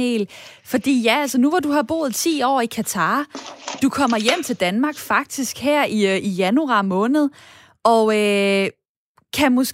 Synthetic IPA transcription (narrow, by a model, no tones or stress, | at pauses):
ḛːlfɒ̽d̥ḭːjæælsənuʋɑd̥uɦɑ̈b̥o̝̰ːð̞̩ˠt͡sʰḭːɒ̰ːikʰæt͡sʰɑ̈ːd̥ukʰɒ̽m̰ɐjem̰t͡sʰe̝ld̥ænmɑ̈ɡ̥fɑ̈ɡ̥̚d̥isɡ̥heɐ̰iijænuɑ̈mɔ̽ːnð̞̩ˠ | ɒ̽ø | kʰæmos